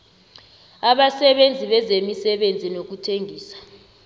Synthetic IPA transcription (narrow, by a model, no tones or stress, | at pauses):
aɓasɛɓend͡zʱiɓɛzemisɛɓend͡zʱinok̬utʰeŋʱiːsḁ